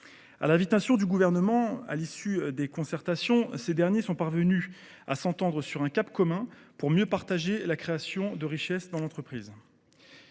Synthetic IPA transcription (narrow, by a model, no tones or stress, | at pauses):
a̰lãvit̪asjɔ̃d̪yɡuvɛʁnəmɑ̃a̰lisyd̪ekɔ̃sɛʁt̪asjɔ̃sed̪ɛʁnjesɔ̃paʁvəny | a̰sɑ̃t̪ɑ̃d̪ʁəsyʁɛ̃kʲapkɔmɛ̃puʁmjøpaʁt̪aʒelakχeasjɔ̃d̪əʁiʃɛsd̪ɑ̃lɑ̃t̪χəpχiːz